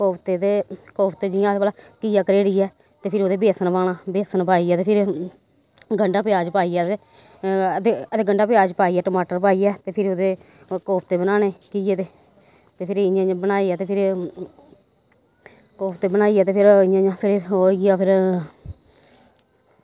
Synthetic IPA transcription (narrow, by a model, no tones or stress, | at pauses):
koːpt̪eːt̪eːkoːpʰt̪eːd͡ʒɪjãːt̪epəlaːkiːjaːkəɾeːɽiːɛː | t̪eːpʰɪɾoːd̪eːbeːsənpaːɽaːbeːsənpaːiːɛːt̪eːpʰɪɾ | ɡəɳɖaːpɪjaːd͡ʒpaːiːɛːt̪eː | t̪eət̪eːɡəɳɖaːpjaːd͡ʒpaːiɛːʈəmaːʈəɾpaːiːɛːt̪eːpʰɪɾod̪eː | koːpʰt̪eːbənaːneːkiːeːt̪eː | t̪eːpʰɪɾɪãːbənaːiːɛːt̪eːpʰɪɾ | koːpʰt̪eːbənaːiːɛːt̪eːpʰɪɾɪãːãːpʰɪɾɦoːɡaːpʰɪɾ